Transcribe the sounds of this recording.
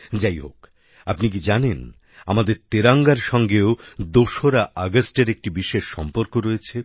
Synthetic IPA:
d͡ʑajɦo̰k | apnik̬id͡ʑanen | a̰mad̪eɾt̪eɾaŋɡaɾʃɔŋɡeod̪oʃoɾaʔaɡasʈeɾek̚ʈibiʃeʃːɔmpoɾkoɾojet͡ɕʰe

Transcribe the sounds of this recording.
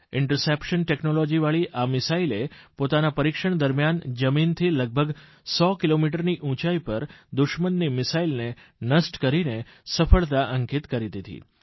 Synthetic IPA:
ɪɳʈəɾsepʃənʈeknolɔd͡ʒiʋaɭiʔamɪsailepot̪anapəɾikʃəɳ̃d̪əɾmjand͡ʒəmint̪ʰiləɡ̚bʱəɡ | sɔkilomiʈ̬əɾniʔũt͡ʃaipəɾd̪ʊʃmənːimɪsailne | nəsʈkəɾine | səfəɭt̪aʔəŋkit̪kəɾit̪it̪ḭ

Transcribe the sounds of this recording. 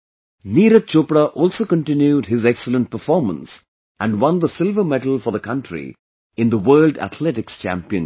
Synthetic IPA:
niːɾət͡ʃoːpɾaʔɔːlsoːkə̃nʈɪ̃njuɖɦɪzɛksələ̃nʈ̚pəɾfɔːɾmə̰̃ns | ʔæ̃nɖwʌ̃nd̪əsɪlˠvəmɛʈəl̩ˠfəðəkʰʌ̃nʈɾḭ | ɪ̃nd̪əwəːlɖæ̰t̪ʰlɛʈɪkst͡ʃæ̰̃mpiə̃n

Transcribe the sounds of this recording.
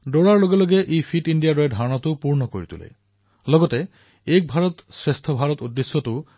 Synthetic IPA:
doɹaɹloɡelɔɡeʔejpʰiʈindijadɔɹɛdʱaɹɔnɔt̪upuɹnɔko̰ɹḭt̪ṵlḛ | lɔɡɔte | ek̚bʱaɹɔt̪sɹest̪ʰɔbʱaɹɔt̪udːesːɔtʊ

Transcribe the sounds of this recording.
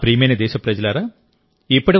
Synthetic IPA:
pɾiːmɐjnɐd̪ɛːʃɐpɾɐd͡ʒɐlaːɾaː | ipːuɽɐ

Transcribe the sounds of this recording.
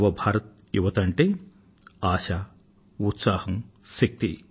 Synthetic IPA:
ʋɐbʱaːɾɐt̪̚ | juʋɐt̪ɐɳʈeː | aːʃa | ut̪saːhɐmsɐk̚t̪ḭ

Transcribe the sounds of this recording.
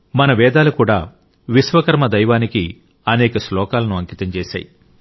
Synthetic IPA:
mɐnɐʋɛːd̪aːlukuːɽaː | ʋisʋɐkɐɾmɐd̪ɐjʋaːniki | ɐnɛːkɐslɔːkaːlɐnuɐŋkit̪ɐmt͡ʃeːʃa̰ːji

